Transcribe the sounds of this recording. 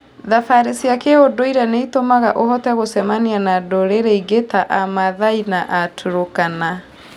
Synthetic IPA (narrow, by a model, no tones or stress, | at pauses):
ðafaɾesiakeodoiɾɛneitomaɣaʔohɔtɛɣosɛmanianadoɾeɾeiɡetaʔamaðainaʔatʰoɾokana